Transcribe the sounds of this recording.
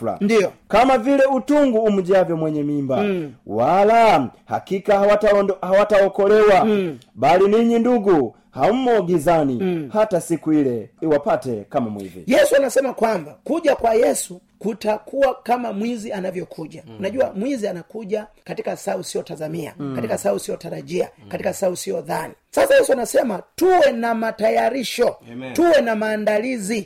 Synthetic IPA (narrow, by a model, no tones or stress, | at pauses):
ndiɔkamavilɛutuŋɡuːm̩d͡ʒavjɔmwɛɲɛmimbawalaha̰kikahawatawɔkɔlɛwabaliniɲinduɡu | ham̩mɔɡizanihatasikuilɛiwapatɛkamamwḭvḭjɛsuanasɛmakwambakuʄakwajɛsu | kutakuwakamamwizianavjɔkʰuʄanaʄuamwizianakuʄakatikasausijɔtazamia̰katikasausijɔtaɾaʄia̰katikasausijɔðanisasajɛsuanasɛmatuwɛnamatajaɾiʃɔtuwɛnamaːndalizi